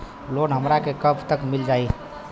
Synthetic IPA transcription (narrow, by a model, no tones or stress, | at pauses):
lonɦəmɾakekəpʰt̪əkmild͡ʒai